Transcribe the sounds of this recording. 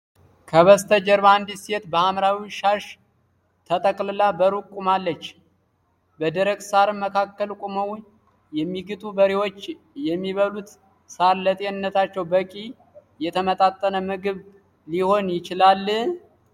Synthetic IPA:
kʰəβəst̪ʰəd͡ʒəɾband̪ise̞t̪bəamɾawiʃaʃ | t̪ʰət̪ʼəkʼlɨlabəɾukʼumalːət͡ʃː | bəd̪əɾəɡsaɾɨməkʰakːəlkʼuməw | jɛmːiɡɨt̪ʼubəɾewo̞t͡ʃː | jɛmːiβəlut̪ | saɾlət̪ʼenɨnːət̪at͡ʃːɛwbəkʼi | jɛt̪ʰəmət̪ʼat̪ʼːənəmɨɡɨβ | liho̞njɪt͡ʃɪlalː

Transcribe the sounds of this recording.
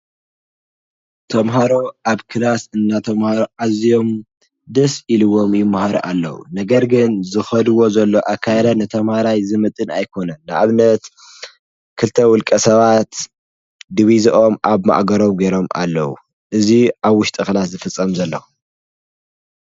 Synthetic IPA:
t̪ʰɐmɦaɾo̞ʔaβkʰɨlasɨnːat̪ʰɐmhaɾoʔazijo̞m | d̪ɐsʔilɨwo̞mjɪmːahaɾoʔalːɐ̰wṵnɐɡɐɾɡɨnzɨxɐd̪ɨwo̞zɐlːo̞ʔakʰːajɾɐnɨt̪ʰɐmhaɾajzɨmɨt̪ʼɨnajkʰo̞nɐnːɨʔaβnɐt̪ | kʰɨlt̪ʰɐwʊlkʼɐsɐβat̪ | d̪ɨβizʔo̞mʔaβma̰ʔɡɐɾo̞mɡeɾo̞ma̰lːɐ̰wṵ | ʔɨziʔaβwːʊʃt̪ʼɨxlat̪zɨfɨt͡sʼːɐmzɐlːɐ̰

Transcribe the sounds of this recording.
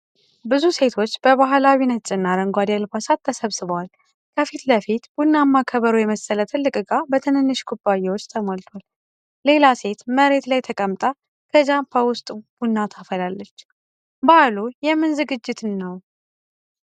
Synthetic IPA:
bɨzuse̞t̪ʰo̞t͡ʃːbəβaɦlawinət͡ʃʼɨnːaɾəŋɡʷad̪alfasat̪ʰːəsəβsɨβəwal | kʰəfit̪ləfit̪b̥unːamːakʰəβəɾujɛməsələt̪ʰɨlːɨkʼɨɡabət̪ʰɨnɨnːɨʃkʰubajewot͡ʃːt̪ʰəmolt̪ʰwal | le̞lase̞t̪məɾe̞t̪lajt̪ʰəkʼəmt̪ʼa | kʰəd͡ʒampʰawʊst̪ʼb̥unːat̪ʰafəlalːət͡ʃː | balujɛmːɨnzɨɡɨd͡ʒːɪt̪ʰɨnːəw

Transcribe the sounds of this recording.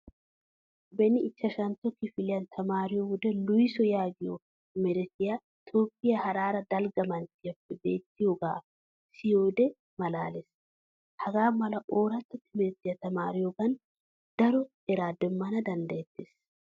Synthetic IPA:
bɛnɪɪt͡ʃːɐʃɐnt̪ɔkːɪfɪlɪjɐnt̪ʰɐmaːɾɪjɔɡʊd̪ɛlʊjsɔjaːɡɪjɔ | mɛɾɪt̪ɪjɐ | t̪ʰoːpːɪjɐhɐɾaːɾɐd̪ɐlɡɐmɐnt̪ɪjɐpːɛbeːt̪ːɪjoɡa̰ːf | sɪjoːd̪ɛ | mɐlaːlɛs | hɐɡaːmɐlɐʔoːɾɐt̪ːɔt̪ːɪmɛɾɪt̪ɪjɐt̪ɐmaːɾɪjɔɡɐn | d̪̥ɐɾɔ | ɛɾaːd̪ɛmːɐnɐd̪ɐnd̪eːt̪ːes

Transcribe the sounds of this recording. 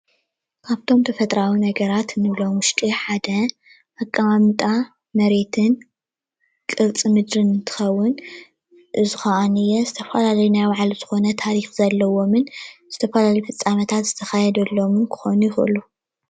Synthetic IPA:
kʰaβt̪ʰo̞mt̪ʰɐfɐt̪ʼɾawinɐɡɐɾat̪nɨβlowmʊʃt̪ʼiħad̪ɐ | ʔakʼːɐmamɨt̪ʼa | mɐɾe̞t̪ʰɨn | kʼɨɾt͡sʼimɨd̪ɾɨnɨnt̪ʰɨ̥xɐwːʊn | ʔɨzɨxɐʔanɨjːɛzɨt̪ʰɐfalalɐjunajwaʕalz̥ɨxo̞nɐt̪ʰaɾixz̥ɐlːɐwo̞mɨnz̥ɨt̪ʰɐfɐlaljifɨt͡sʼːamɐt̪ʰat̪z̥ɨ̥t̪ʰɐxajɛd̪ɐlːomɨnkʰɨ̥xo̞̰nujɪxʔɨ̰lu

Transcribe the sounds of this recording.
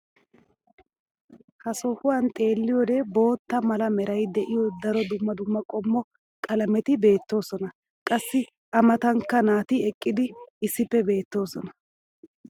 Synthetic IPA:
hɐsɔhʊwant̪ʼe̞ːlːɪjɔd̪ɛbo̞ːt̪ːɐmɐlɐmɛɾɐjd̪ɛʔɪjɔd̪ɐɾɔd̪ʊmːɐd̪ʊmːɐkʼɔmːɔ | kʼɐlɐmɛt̪ɪbe̞ːt̪ːo̞ːsɔnɐ | kʼɐsːɪ | ʔɐmɐt̪ɐŋkːɐnaːt̪ɪɛkʼːɪd̪ɪːsːɪpːɛbe̞ːt̪ːo̞ːsɔnɐ

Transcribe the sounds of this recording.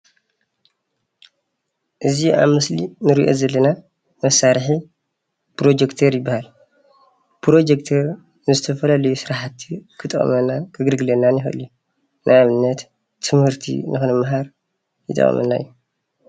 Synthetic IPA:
ʔɨziʔa̰βmɨslinɨɾiʔo̞̰zɐlːɐna | mɐsaɾħi | pɾo̞d͡ʒekt̪ʰɐɾjɪbːahal | pɾo̞d͡ʒekt̪ʰɐɾ | nɨzɨt̪ʰɐfɐlalɐjusɨɾaħat̪ːikʰɨt̪ʼɐχʼɐ̰mɐnakʰɨɡɨlɡɨlɐnːanjɪxʔɨ̰lju | nʔajaβɨnːɐt̪ʰː | ɨmhɨɾt̪ʰḭnɨxɨnɐmaɦaɾ | jɨt̪ʼːɐ̰χʼɐ̰mɐ̰nːa̰jːu

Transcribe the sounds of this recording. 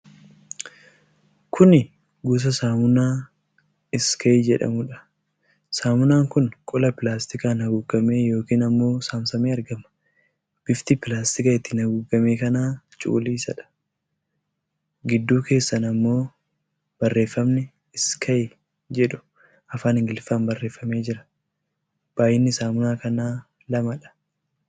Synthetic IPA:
kʰʊnɪ | ɡuːs̬ɐsaːmʊnaː | ɪskʰɐjd͡ʒɛᶑɐ̰mʊᶑɐ̥ | saːmʊnaːŋkʊnkʼɔlɐpɪlaːst̪ɪkaːnɐɡʊɡɐme̞ːjo̞ːkiːnɐmːo̞ːsaːmsɐmeːɐɾɡɐmɐ̥ | b̥ɪft̪ɪpɪlaːst̪ɪkɐɪt̪ːɪnɐɡʊɡɐme̞ːkɐnaːt͡ʃʼṵːliːsɐᶑɐ̥ | ɡɪd̪ːuːke̞ːsːɐnɐmːo̞ː | b̥ɐrːe̞ːfːɐmnɛ | ɪskʰɐj | d͡ʒɛᶑʊ̥ | ɐfaːnɪŋɡɪlfaːnbɐrːe̞ːfːɐme̞ːd͡ʒɪɾɐ̥ | b̥aːjɪnːɪsaːmʊnaːkɐnaː | lɐmɐᶑɐ̥

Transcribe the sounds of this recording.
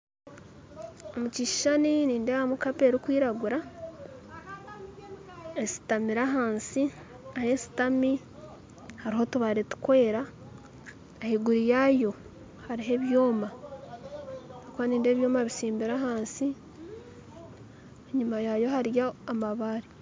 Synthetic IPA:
omuciʃi̥ʃaniniːndehamukapeɾikwiːɾaɡuɾa | esi̥tamiɾaɦaːnsi | ahe̞si̥tami | haɾiɦo̞tuβaɾetu̥kwe̞ːɾa | ehiɡuɾijajo̞ | haɾiɦe̞βjo̞ːma | okuaniːnde̞ːβjo̞ːmaβisiːmbiɾaɦaːnsi | eɲumajajo̞ɦaɾjaːmaβaːɾi

